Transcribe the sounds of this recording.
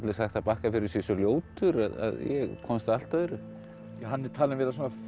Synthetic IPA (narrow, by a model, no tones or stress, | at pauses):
t̪lɪsaxt̪ːapaːhkafɪɾɪɾ̥sjɛsɔljoːwt̪ʏɾaða̰ðjɛɣkʰɔmst̪aal̥t̪œðʏɾʏ | hanːɛɾt̪ʰaːlɪnvɛɾas̬aːna